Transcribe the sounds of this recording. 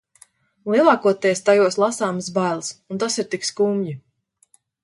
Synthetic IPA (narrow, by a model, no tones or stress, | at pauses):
lˠiɛlˠɑːkuɔt̪ɛjst̪ajuɔslˠasaːmsbajlˠsunt̪asiɾt̪ikskuːmji